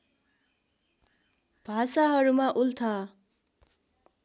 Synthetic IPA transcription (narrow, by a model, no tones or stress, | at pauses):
b̥ʱasaɦʌɾumaʔult̪ʰʌ